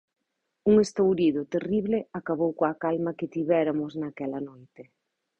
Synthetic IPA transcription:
uŋest̪owɾiðʊt̪eriβlɪakaβowkoakalmɐkɪt̪iβɛɾamʊznakɛlɐnojt̪ɪ

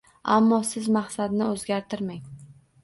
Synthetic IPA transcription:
a̰mːɒsɪzmaχsad̪nɪɵzɡʲaɾt̪ʰɪɾmaŋ

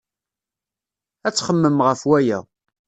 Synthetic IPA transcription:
æt͡sːχəmːəmʁəfwæjæ̰

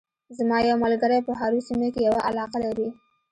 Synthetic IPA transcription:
zmɑjawmalɡaɾajpəɦaɾusimokejawaʔalɑqalaɾi

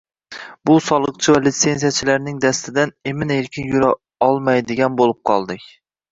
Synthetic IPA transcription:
bʊsɒlˠɨqt͡ʃʰɪvalɪt̪se̞nsijat͡ʃʰɪlaɾnɪŋd̪æst̪ʰɪd̪anemɪneɾkʲɪnjʊɾa | ɒlˠmajd̪ɪɡʲanbolˠɨp̚qʰɒ̰lˠd̪ɪkʲ

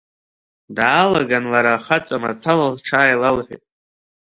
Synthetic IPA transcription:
daːlaɡanlaɾaχat͡sʼamatʰalalʈ͡ʂʰaːjlalħʷʏ̰tʼ

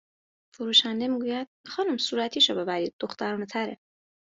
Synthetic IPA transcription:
foɾuːʃænd̪e̞miːɡuːjæd̪̥̚xɒːnumsuːɾæt̪ʰiːʃɔ̰be̞bæɾiːd̪̚ːo̞xt̪ʰæɾuːnet̪ʰæɾe

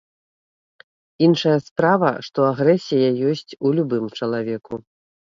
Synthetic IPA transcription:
inʂɐjɐspɾavɐ̰ʂt̪ɔaɣɾɛsʲijɐjɔsʲt͡sʲulʲubɨmt͡ʂɐlˠavʲɛku

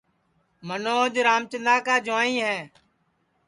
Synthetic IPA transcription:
mənoːd͡ʒɾaːmt͡ʃənd̪aːkaːd͡ʒaːĩːɦɛ̃ː

